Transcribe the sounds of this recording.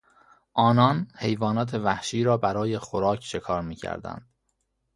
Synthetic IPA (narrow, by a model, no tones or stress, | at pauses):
ʔɒːnɒːnhe̞jvɒːnɒːt̪ʰe̞væhʃiːɾɒːbæɾɒːje̞xoɾɒːcʰʃe̞kʰɒːɾmiːcʰæ̰ɾd̪æ̰nd̪̥